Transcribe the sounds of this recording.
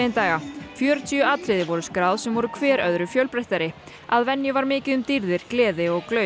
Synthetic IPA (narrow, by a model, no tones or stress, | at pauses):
ɪnt̪aːɣafjœːɾʏt̪ʰiʏaːt̪ʰɾɪðɪvɔɾʏskɾaːwðsɛmvɔɾʏkʰvɛːɾœðɾʏfjœɥlpɾajht̪aɾɪ | a̰ðvɛnjʏvaɾmɪːcɪðʏmt̪iɾðɪɾ̥klɛːðɪɔɣklœ